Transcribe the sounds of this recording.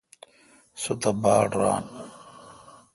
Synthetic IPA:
sut̪ɐbaːɽɾa̰ːn

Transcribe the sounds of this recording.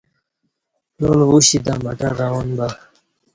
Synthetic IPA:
lolwuɕid̪amaʈaɾaonba

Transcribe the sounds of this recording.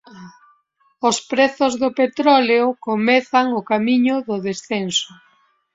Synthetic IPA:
ospɾeθʊzðʊpet̪ɾɔleokomɛθaŋʊkamiɲʊðʊðesθenso

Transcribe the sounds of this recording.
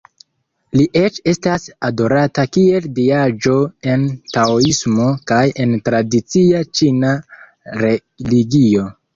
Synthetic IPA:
liʔe̞t͡ʃe̞stasado̞ɾatakie̞ldiad͡ʒo̞e̞ntaoismo̞kaje̞ntɾadit͡siat͡ʃina | ɾe | liɡio̞

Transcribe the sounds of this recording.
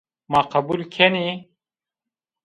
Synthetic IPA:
maːqɐbulkʰeni

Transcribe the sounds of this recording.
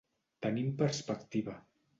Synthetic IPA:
t̪ənimpəɾspəkt̪iβə

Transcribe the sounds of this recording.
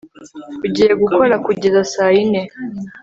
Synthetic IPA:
uɟijeɡukolakuɟizasaine

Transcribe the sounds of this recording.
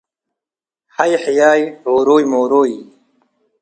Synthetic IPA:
hɐjħijaːjhoːɾoːjmoːɾoːj

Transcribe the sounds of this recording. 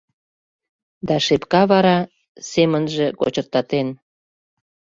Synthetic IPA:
d̪ɑʃepkɑβɑɾɑ | semənʒĕko̰t͡ɕərt̪ɑt̪en

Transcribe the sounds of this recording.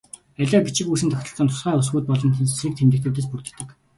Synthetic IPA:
æɮʲaːɡet͡ɕʰɪ̆kuːsɘnt̪ʰœxʲt̪ɞ̆ɬt͡sə̆nt̪ʰʊ̥sχæːʊs̬ɣuːt̪̚pɔɮɞ̆nʰiːk̚t̪ʰemt̪ɘ̆kt̪ʰuːt̪̬eːs̬purt̪ɘ̆t̪ːɘ̆k

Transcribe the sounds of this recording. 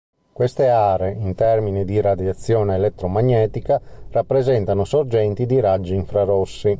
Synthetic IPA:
kwest̪eaːɾeint̪ɛrminid̪iɾad̪jat̪sːjɔːneːlɛt̪ːɾomaɲːɛːt̪ikarapːɾezɛnt̪anosord͡ʒɛnt̪id̪iɾad͡ʒːiiɱfɾaɾosːi

